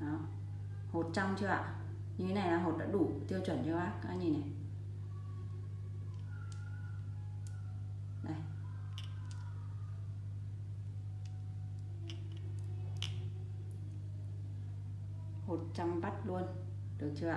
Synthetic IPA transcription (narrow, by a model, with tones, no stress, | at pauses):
ʔaː˧˩w | ho˨˩t̚t͡ɕa˧wmt͡ɕɨ˧ʔa̰ː˧˨ | ɲi˧˩˦na˨˩jlaː˨˩ɦo˨˩t̚ɗa̰ː˧˥ɗu˧˩t̪i˧əwt͡ɕwə̰˧˩˨nt͡ɕɨ˧ʔaː˦˥ka̰ː˧˦ɲi˧˩na˨˩j | ɗa˧˩j | ho˨˩t̚t͡ɕa˧mɓa˦˥t̚lu˧ən | ɗɨ˨˩ək̚t͡ɕɨ˧a̰˧